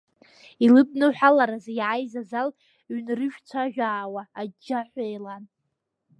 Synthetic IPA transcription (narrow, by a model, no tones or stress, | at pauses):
ilɨb̚nɨħʷᶣalaɾazjʕajzazal | ɥnrɨʒᶣt͡sʷʰaʒᶣaːwaːd͡ʒːaħʷajlan